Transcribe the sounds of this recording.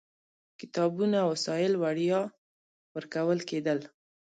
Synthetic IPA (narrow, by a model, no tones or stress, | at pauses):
kɪ̥t̪ɑbunawsɑjɪlwaɽjɑ | wəɾkawəlked̪əl